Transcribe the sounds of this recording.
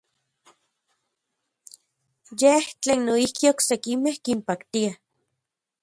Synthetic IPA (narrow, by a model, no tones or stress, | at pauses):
jeht͡ɬeːnːoihkioksekimehkimpakt̪ia